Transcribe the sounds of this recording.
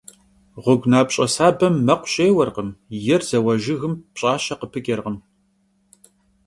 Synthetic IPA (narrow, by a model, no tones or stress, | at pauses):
ʁʷʊɡʷnaːpɕʼɐsaːbɐmːɐqʷʊ̥ɕʼeːwɐrʁəmjɛrz̥ɐwɐʒɪɣɨmpɕʼaːɕɐqəpʰɨɡʲʼɐrʁəm